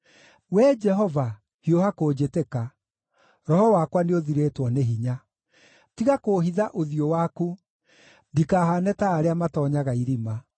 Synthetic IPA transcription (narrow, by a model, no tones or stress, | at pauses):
wɛd͡ʒɛɦɔva | hiohakoːd͡ʑeteka | ɾɔhɔwakwaneoðiɾetwɔneɦiɲa | tiɣakoːɦiðaʔoðiowaːku | ndikaːɦanɛtaːɾeamatɔɲaɣaiɾima